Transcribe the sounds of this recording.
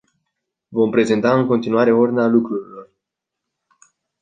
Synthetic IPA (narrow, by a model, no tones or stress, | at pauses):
vo̞mpɾe̞ze̞nt̪aɨŋko̞nt̪inuaɾe̞ord̪inalukɾuɾilo̞r